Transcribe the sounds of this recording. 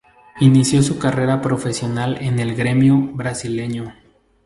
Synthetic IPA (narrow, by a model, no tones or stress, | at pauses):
inisjo̞sukare̞ɾapɾo̞fe̞sjo̞nalene̞lɡɾe̞mjoβɾasile̞ɲo